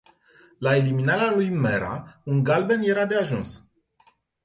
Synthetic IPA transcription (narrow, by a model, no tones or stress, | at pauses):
lae̞liminaɾealujmeɾʔa̰unɡalbe̞nje̞ɾad̪e̞aʒuns